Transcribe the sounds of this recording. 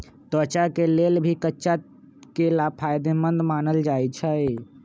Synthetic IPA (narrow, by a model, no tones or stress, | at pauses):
t̪ət͡ʃakelelbʱikətːʃa | kelapʰajd̪emənd̪manəld͡ʒajt͡ʃʰəj